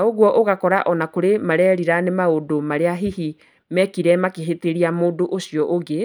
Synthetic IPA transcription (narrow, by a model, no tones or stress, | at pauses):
aoɣwɔʔoɣakɔɾaʔɔnakoɾemaɾɛːɾiɾanemaodomaɾeaɦihi | mɛkiɾɛmakeɦeteɾiamoːdoʔosjɔʔoɡe